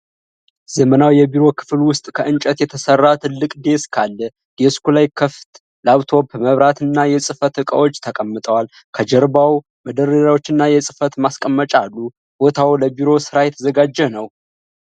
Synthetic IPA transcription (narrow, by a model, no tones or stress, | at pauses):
z̥əmənawjɛbiɾo̞kʰɨ̥flwʊst̪ʼkʰəʔɨnt͡ʃʼət̪jɛt̪ʰəsərːat̪ʰɨlːɨkʼd̪e̞skʰalːə | ɡ̥ɛskulajkʰəft̪ʼ | laβt̪ʰo̞bməβɾat̪ɨnːajɛsʼɨfət̪ɨkʼə̰wo̞t͡ʃːt̪ʰəkʼəmːɨt̪ʼəwal | kʰəd͡ʒəɾbaw | məd̪əɾəɾawo̞t͡ʃːɨnːajɛsʼɨfət̪maskʼəmːət͡ʃʼalːu | b̥ot̪ʰawləbiɾo̞sɨɾajɛt̪ʰəzəɡad͡ʒːɛnəw